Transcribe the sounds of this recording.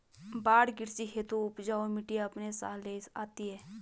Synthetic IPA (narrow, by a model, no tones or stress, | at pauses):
baːɽɡɪɾsiɦeːt̪uʊpd͡ʒaːomɪʈiəpnesa̰ːleːsaːt̪iɦɛː